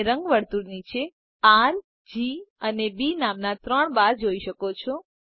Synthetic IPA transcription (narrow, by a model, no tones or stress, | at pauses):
ɾəŋɡʋəɾt̪uɾnit͡ʃʰe | al | d͡ʒiənebinamnat̪ɾəɳbaɾd͡ʒoiʃəkot͡ʃʰo